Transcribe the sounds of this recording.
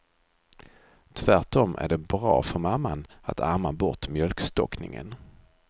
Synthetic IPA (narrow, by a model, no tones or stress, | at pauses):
t̪ʰvæʈɔmʔæ̰ɖɛbɾɑ̰ːfœɾmamːanat̪ʰaɾmabɔʈmjœlkst̪ɔknɪŋə̰n